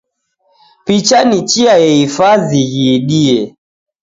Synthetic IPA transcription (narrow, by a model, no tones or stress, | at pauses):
pit͡ʃanit͡ʃiajɛifaðiɣiɗiɛ